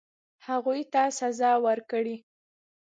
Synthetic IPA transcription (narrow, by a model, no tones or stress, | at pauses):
haɣujt̪asazɑwəɾkɽi